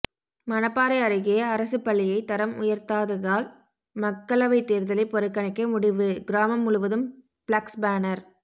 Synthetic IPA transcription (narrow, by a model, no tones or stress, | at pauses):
mɐnɐpːaːɾɐɪɐɾɯɣɪjɐːɾɐsɯpːɐɭːɪjɐɪt̪ɐɾɐmʊjɐɾt̪aːðɐðaːl | mɐkːɐlɐʋɐɪt̪ːeːɾðɐlɪpːɔɾɯkːɐɳɐɪkːɐmʊɽɪʋɯɡɪɾaːmɐmːʊɻʊʋɐðɯm | bɭɐksbaːnɐɾ